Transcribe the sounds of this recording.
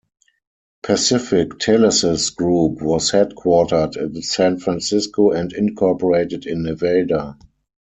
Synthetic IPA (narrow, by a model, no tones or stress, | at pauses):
pʰæsɪfɪktʰɛləsɪsɡ̥ɹuːpwɔshɛdkʰwɔtə˞dɛtðəsæ̃nfɹæ̃nsɪskoɛ̃ndɪ̃nkʰɔpɔɹeɪtɪdɪ̃nːəveɪda